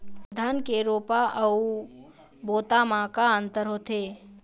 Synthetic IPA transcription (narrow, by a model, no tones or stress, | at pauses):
d̪ʱaːnkeɾoːpaʔɐu | boːt̪amãkaənt̪əɾɦoːt̪eː